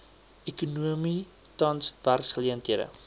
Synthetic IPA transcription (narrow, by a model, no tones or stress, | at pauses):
ɛkunuəmi | tɐnsv̥ærksχəliəntɦiədə̰